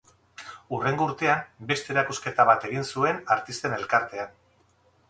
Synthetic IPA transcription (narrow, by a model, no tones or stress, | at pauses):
ure̞ŋɡouɾt̪eambe̞st̪e̞ɾakuske̞t̪aβat̪e̞ɣinsue̞naɾt̪ist̪e̞ne̞lkaɾt̪e̞an